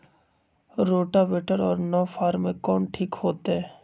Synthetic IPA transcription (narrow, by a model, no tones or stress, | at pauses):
ɾoːʈabeːʈəɾɔːɾnɔːfʰaːɾmẽkɔːnʈʰiːkɦoːt̪eɦɛ̃ː